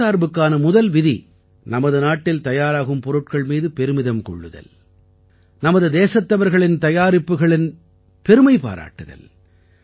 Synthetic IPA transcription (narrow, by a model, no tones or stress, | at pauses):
aːɾbɯkːaːnɐmʊðɐlʋɪðḭ | nɐmɐðɯnaːʈːɪlt̪ɐjaːɾaːɣɯmpɔɾɯʈ̚kɐɭmiːðɯpɛɾɯmɪðɐmkɔ̰ɭːɯðɐ̰l | nɐmɐðɯd̪eːsɐt̪ːɐʋɐɾɣɐɭɪnt̪ɐjaːɾɪpːɯɣɐɭɪn | pɛɾɯmɐɪpa̰ːɾa̰ːʈːɯðɐ̰l